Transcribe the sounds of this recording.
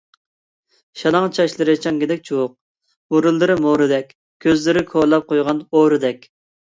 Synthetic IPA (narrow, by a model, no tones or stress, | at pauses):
ʃɑlˠɑŋt͡ʃʰɑʃlˠɨɾɨt͡ʃʰɑŋɡʲid̪ɛk̚ʲt͡ʃʰuwoq̚ | muɾɨlˠːɨɾɪmoɾɨd̪ɛkʲ | kʲʰːøzlɪɾɪkʰolˠɑp̚qojʁɑnoɾɨd̪ɛkʲ